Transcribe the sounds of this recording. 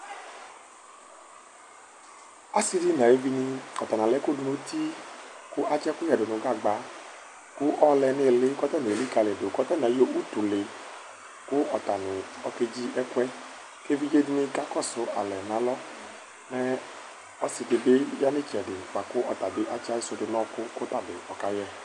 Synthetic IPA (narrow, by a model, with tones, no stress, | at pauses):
a˦si˦di˦n˨a˨je˦vi˦ni˧ɔ˨t̪a˨nã˨lɛ˨˦ko˦du˨mo˦di˦kʊ˦ʔa˦t͡ʃɛ˦kʊ˦ɛ˨dʊ˨nʊ˨˦ɡa˦˨ɡ͡ba˨˦ | kʊ˦ʔɔ˦lɛ˧ne˨lɪ˦kɔ˦t̪ɔ˦ne˨li˦ka˨le˨do˨kɔ˦t̪ɔ˦n˨ɛ˨˦jo˦u˦tu˨le˨ | kʊ˦ɔ˨ta˨nɪ˨ɔ˧ke˧d͡ʒi˦ɛ˦kwɛ˦ | ke˦vi˦d͡ʒe˦di˦ni˧ka˦kɔ˦˨sʊ˨ʔa̰˨lɛ˨nã˨˦lɔ˦ | nɛ˦ | ɔ˦si˨de˧be˦ja˦nɪ˦˨t͡ʃɛ˨dɪ˨k͡pa˨kʊ˦ʔɔ˨ta˨bɪ˨ʔa˦t͡ʃa˦i˦so˧dɪ˨nɔ˦kʊ˦ko˦ta˦˨bɪ˨ɔ˨ka˨jɛ˦